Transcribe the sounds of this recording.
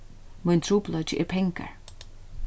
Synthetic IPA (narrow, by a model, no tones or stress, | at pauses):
majnt̪ʰɾuːplɔjt͡ʃɪʔɛ̰ɹpʰɛŋka̰ɹ